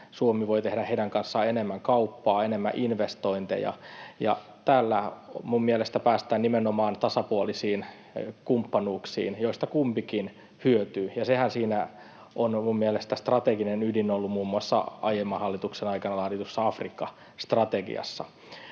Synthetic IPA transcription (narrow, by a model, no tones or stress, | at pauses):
suomiʋoit̪ehɾæheiɾæŋkɑnsːɑenemːæŋkɑupːɑːenemːæ̰ʔinʋest̪oint̪ḛjɑ̰jɑ̰ | t̪æːlːæmummielest̪æpæːst̪æːnnimenomɑːnt̪ɑsɑpuolisiːn | kumpːɑnuːksḭːnjoist̪ɑkumpikin | hyøt̪yːjɑsehænsiːnæ | ʔonmummielest̪æst̪rɑt̪eɡinenydinolːumuːmːuɑsːɑ̰ɑ̰jemːɑhɑlːit̪uksenɑikɑnɑlɑːdit̪usːɑɑfrikːɑ | st̪rɑt̪eɡḭɑ̰sːɑ̰